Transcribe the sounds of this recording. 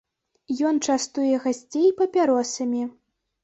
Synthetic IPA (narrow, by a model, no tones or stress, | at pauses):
jɔnt͡ʂast̪ujɛɣasʲt͡sʲejpɐpʲaɾɔsɐmʲi